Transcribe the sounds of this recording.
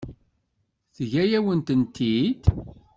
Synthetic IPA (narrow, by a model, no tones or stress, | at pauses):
θʝæjæwənt̪ənt̪ʰid̪